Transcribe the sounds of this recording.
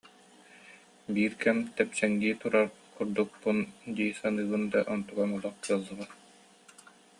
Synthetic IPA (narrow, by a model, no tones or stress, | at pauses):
biːɾkɛmt̪ɛpsɛŋɡiːt̪uɾaɾkuɾd̪uk̚pːund̪iːsanɯːbɯnd̪aʔɔnt̪uɡamulˠɔq̚kɯɐlˠːɯʁa